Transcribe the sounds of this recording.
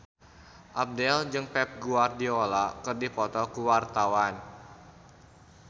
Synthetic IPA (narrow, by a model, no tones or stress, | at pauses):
ʔap̚dɛld͡ʒɨŋpɛp̚ɡuardiolakɨrdipɔt̪ɔkuwart̪awan